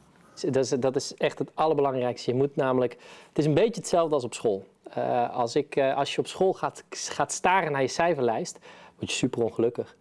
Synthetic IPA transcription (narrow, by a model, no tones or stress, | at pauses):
dsdɑtɪsɛχtətɑləɹbəlɑŋrɛjkstəjəmutnaːmələkətɪsənbejtjəətsɛlˠvdəɑlˠs̬ɔpsχoːlˠ | ə̰ɑ̰lˠsɪkɑlˠsjəɔpsχolˠχaχaːtstaːɾənaːɹjəsɛjvəɹlɛjstʋɔɹtjə̥sypərɔnχəlɵkəx